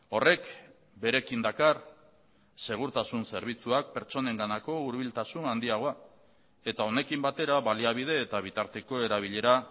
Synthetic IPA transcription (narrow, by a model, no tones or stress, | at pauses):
o̞re̞k | be̞ɾe̞kind̪akar | se̞ɣ̞uɾt̪asunse̞ɾβ̞it͡suak̚pe̞ɾt͡so̞ne̞ŋɡanako̞uɾβilt̪asunand̪iaɣo̞a | e̞t̪ao̞ne̞kimbat̪e̞ɾaβaliaβ̞ið̞e̞ːt̪aβ̞it̪aɾt̪e̞ko̞e̞ɾaβ̞iʎe̞ɾa